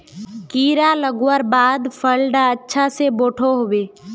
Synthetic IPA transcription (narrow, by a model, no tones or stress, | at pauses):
kiːɾaləɡwəɾbaːd̪pʰəlɖaətːʃʰaseboːʈʰoɦoːbeː